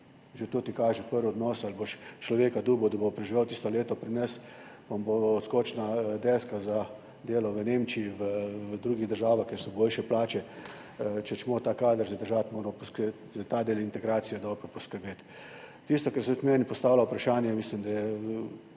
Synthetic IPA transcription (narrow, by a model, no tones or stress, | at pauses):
ʒet̪oːt̪ikaːʒɛpəɾʋɔd̪nɔːsalboʃt͡ʃlɔʋeːkad̪uːbɔd̪abopɾɛʒiʋewt̪ist̪ɔleːt̪ɔpɾinɛs | pɔmboɔskoːt͡ʃnad̪ɛskaza | d̪eːlɔʋəneːmt͡ʃiiʋəd̪ɾuːɡiɣd̪əɾʒaːʋaxkʲeɾsɔboːlʃɛplaːt͡ʃɛ | t͡ʃɛt͡ʃmoːt̪aːkaːd̪əɾzad̪əɾʒat̪moːɾmɔpɔsk | zt̪aːd̪eːlint̪ɛɡɾaːt̪sijɛd̪ɔːbɾɔpɔskəɾbeːt̪ː | ist̪ɔkɛɾset̪mɛːnipɔst̪aːwlawpɾaʃaːnjɛmislimd̪ajɛ